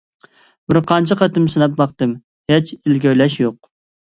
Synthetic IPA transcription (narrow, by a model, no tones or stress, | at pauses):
bɪɾqʰɑnt͡ʃʰɪqɑt̪ɨmsɨnɑp̚bɑq̚t̪ɨm | het͡ʃɪlɡʲøjlɛʃjoq̚